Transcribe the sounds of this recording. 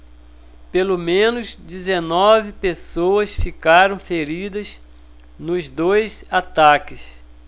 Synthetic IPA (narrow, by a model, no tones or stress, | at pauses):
pelomẽnʊzd͡ʒizenɔvɪpesowɐsfikaɾɐ̃w̃feɾid̪ɐz | nʊzd̪ojzat̪akɪs